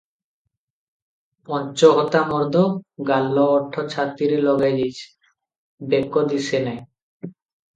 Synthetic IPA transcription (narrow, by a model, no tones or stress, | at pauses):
pɔnt͡ɕoɦɔt̪amɔɾd̪ʱoɡalːoɔɾʈʰːot͡ɕʰat̪ːiɾelɔɡajd͡ʑit͡ɕ | bekːod̪isenaj